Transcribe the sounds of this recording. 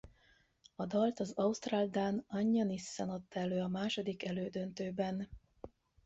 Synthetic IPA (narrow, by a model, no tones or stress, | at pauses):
ɒd̪ɒlt̪ɒzɒust̪raːld̪aːnɒɲːɒnisːanɒt̪ːɛløːɒmaːʃo̞d̪ikɛløːd̪ønt̪øːbɛn